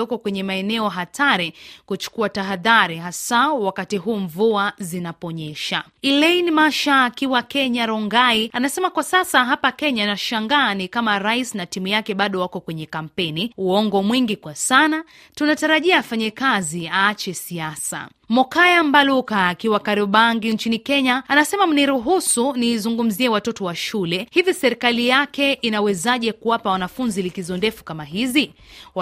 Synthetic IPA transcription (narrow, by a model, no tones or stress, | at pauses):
ɔkɔkwɛɲɛmaɛnɛɔɦatʰaɾikut͡ʃu̥kuataɦaðaɾiɦasawakatiɦuːɱvuazinapɔɲɛʃa̰ | ilɛinmaʃaːkiwakɛɲaɾɔŋɡaianasɛmakwasasaɦapakɛɲanaʃaŋɡaːnikamaɾaisnatimujakɛɓaɗɔwakɔkwɛɲɛkam̩pɛniuɔŋɡɔmwiŋɡikwasana | tunataɾaʄiaːfaɲɛkaziaːt͡ʃɛsiasa̰ | mɔkajambalukaːkiwakaɾiɓaŋɡiɲt͡ʃinikɛɲaanasɛmam̩niɾuɦusunizuŋɡum̩ziɛwatɔtɔwaʃulɛhivisɛɾikalijakɛʔinawɛzaʄɛkuwapawanafunzilikizɔndɛfu̥kamaɦizi